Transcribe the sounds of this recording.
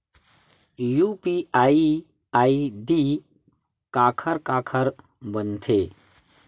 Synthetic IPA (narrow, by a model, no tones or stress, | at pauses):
jupiaːi | aːiɖi | kaːkʰəɾkaːkʰəɾ | bənt̪ʰe